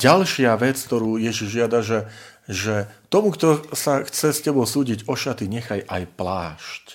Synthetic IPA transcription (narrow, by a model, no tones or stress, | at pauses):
ɟalʃɪaʋɛt͡skt̪ɔɾuːjɛʒiʒʒɪad̪aʒɛʒɛt̪ɔmukt̪ɔsaxt͡sɛscɛbɔʊsuːɟiɟɔʃat̪iɲɛxajʔajplaːʃc